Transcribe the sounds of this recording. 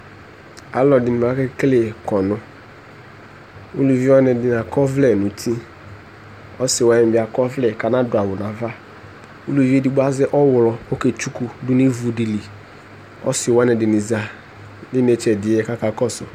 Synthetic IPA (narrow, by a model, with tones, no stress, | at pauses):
a̰˨lɔ˨dɪ˨nɪ˨a˨˦ke˦kle˨kɔ˨nʊ˦ | u˦lu˨vi˦wa˦nɛ˨dɪ˨na˨kɔ˦vlɛ˨nʊ˨tʰi˦ | ɔ˦sɪ˨wa˦jɛ̃˨bɪ˨a˨kɔ˦vlɛ˨ka˨na˦dʊ˨a˨wʊ˨na˨va˦ | u˦lu˨vi˦e˦di˨ɡ͡ba˦zɛ˦ʔɔ˦wʊ˨lɔ˨o˦ke˨t͡ʃu˦ku˨dʊ˦ne˦vu˨di˨li˨ | ɔ̰˦sɪ˨wa˦nɛ˨dɪ˨nɪ˨za˨ | dɪ˦ne˨t͡ʃɛ˨dɪ˨ɛ˦ka˦ka˨kɔ˦sʊ˨